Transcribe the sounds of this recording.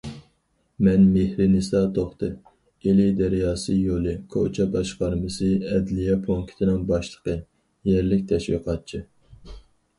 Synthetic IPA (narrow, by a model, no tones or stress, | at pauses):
mɛnmehɾɪnɨsɑt̪ʰoχt̪ɨ | elɪd̪ɛɾijɑːsɨjolˠɨkʰo̰t͡ʃʰɛbɑʃqɑɾmɨsɨɛd̪lijɛpʰoŋkʲʰi̥t̪ʰɪnɪŋbɑʃlˠəqə | jɛɾlɪkʲt̪ʰɛʃwḭqʰɑt̪̚t͡ʃʰi